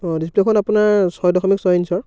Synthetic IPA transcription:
ɔdisplekʰɔnapunaɹsɔjdɔxʰɔmiksɔjnsɔɹ

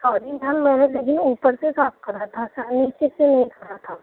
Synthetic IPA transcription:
sɔːɾid̪ʱɐmmɛ̃ːneleːkɪnuːpəɾsesɔːp̚kɐɾat̪ʰasanɪt͡ʃisenɐɦĩt̪ʰɐɾat̪ʰaː

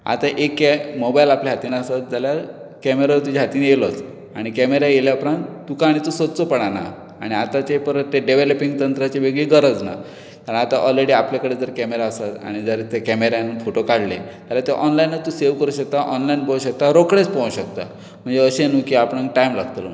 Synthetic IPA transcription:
a̰t̪aʔekːemobajlapljaɦat̪iːnəsat̪̚d͡zalja | kɛmeɾat̪ud͡ʑaɦat̪iːnjelot | aɽ̃ikɛmeɾajeljapɾãnt̪ukaːɽ̃it̪usət̪t͡sopəɽ̃ana̰ | aɽ̃iat̪at͡ɕepəɾət̪t̪ːeɖeʋeləpiŋɡt̪ənt̪ɾat͡ɕebeɡɭiɡəɾəd͡zna̰ | kaɾə̃nat̪aʔɔlɾeɽiːapljakəɽed͡zəɾkɛmeɾaəsat̪a̰ɽ̃id͡zəɾet̪ekɛmeɾjanfoʈokaɽlḛt̪alat̪eʔɔnlainːat̪useʋkəɾuːɕək̚t̪aʔɔnlainpoũɕək̚t̪aɾokɽet͡spõɦũɕək̚t̪a̰ | m̤əɳd͡zeəɕenũkiapɽə̃ŋk̚ʈajmla̰ɡt̪l̰

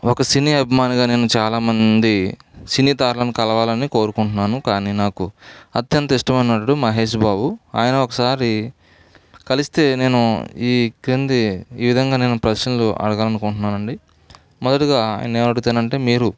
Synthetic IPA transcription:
ɔkɐsiniːɐbʱimaːniɡaːne̞ːnut͡ʃaːlaːmɐnd̪isiniːt̪aːɾlɐnikɐlɐʋaːlɐniko̞ːɾukuɳʈunːaːnukaːniːnaːkuɐt̪jɐnt̪ɐiʂʈɐmɐjnɐʈːuɽumɐɦe̞ːʃbaːbua̰ːjɐnɐɔkɐsaːɾi | kɐlist̪e̞ːne̞ːnuiːkɾind̪iiːʋid̪ʱɐŋɡaːne̞ːnupɾɐʃɐnluʔɐ̰ɽɐɡaːlɐnukoɳʈunːaːnɐɳɖi | mɔd̪ɐʈiɡa̰ːjɐ̰nɐneːnɐɽuut̪eːnɐɳʈe̞ːmiːɾu

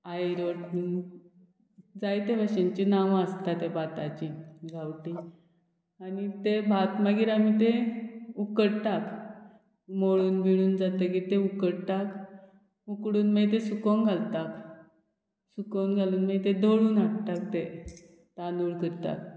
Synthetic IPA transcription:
ajɾoʈmi | d͡zajt̪ebaɕẽɲt͡ɕinaʋəst̪at̪ebʱat̪at͡ɕiɡʱawʈi | anit̪ebʱat̪məɡiːɾamit̪eukəɽt̪ak | moɭuːnbʱiɭuːnd͡zat̪əkiɾt̪eukəɽt̪ak | ukɽuːnməjt̪̬esukoŋɡʱalt̪ak | sukonɡʱaluːnməjt̪ed̪ʱoɭuːnaʈt̪akt̪e | t̪anuːɭkəɾt̪a̰k̚

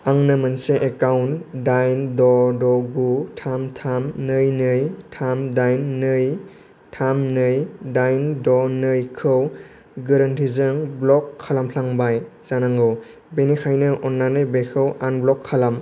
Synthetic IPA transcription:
aŋnɯmanseʔekawndajndɔdɔɡutʰamtʰamnɯjnɯjtʰamdajnːɯj | tʰamnɯjdajndɔnɯjkʰɯw | ɡeɾantʰizɯŋblɔkʰːalampʰlaŋbajzanaŋɡɯw | benikʰajnɯʔɔnlajnɯjbekʰɯwanblɔkʰːalam

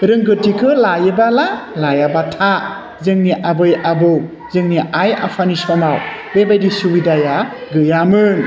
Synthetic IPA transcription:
ɾɯŋɡɯtːikʰɯlajɯbala | lajabatʰa | zɯŋniʔabɯjʔabɯw | zɯŋniʔaja̰pʰanisɔmaw | bebajdisuwidajaɡɯjamɯŋ

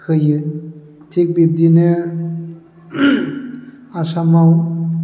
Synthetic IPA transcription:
kʰɯjɯ | t̪ʰik̚bib̚d̪ine | asamaw

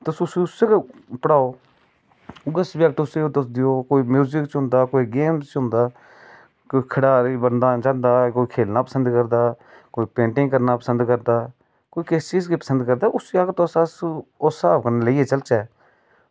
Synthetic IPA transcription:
t̪ʊsʊsiʊseːkːpəɽaːoː | ʊɡəsbɛːk̚ʈʊseot̪əsd̪ɪjoːkoːiːmjuːzɪkt͡ʃɦʊ̃nd̪aːkoːiːɡeːmst͡ʃɦʊ̃ːnd̪aː | koːiːkʰəɽaːɾibənd̪aːd͡ʒãːnd̪aːkoːiːkʰeːlnaːpəsə̃nd̪kəɾd̪aː | koːiːpẽːɳʈɪ̃ŋɡkəɾnaːpəsənd̪kəɾd̪aː | koːiːkɪst͡ʃiːzkiːpəsə̃nd̪kəɾd̪aːʔʊsiaːkt̪osaːsoːsaːpkəɾneːləiːeːt͡ʃəlt͡ʃɛː

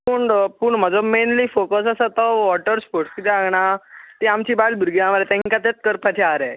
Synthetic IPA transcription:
puːɳpuːɳm̤əd͡zɔmenliːfokəsasət̪ɔʋɔʈəɾspoɾʈskit̪ɛaɡɳat̪iamt͡ɕiːbalbʱuɾɡiãʋaɾet̪ɛ̃ɦŋkat̪et͡s̪kəɾpat̪ʰiaɾɛ

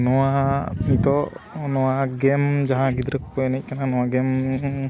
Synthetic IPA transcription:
nɔwanit̪ɔnɔwaɡɛmd͡ʒaɦãɡid̪ɾəkpɔnɛc̚ˀkananɔwaɡɛm

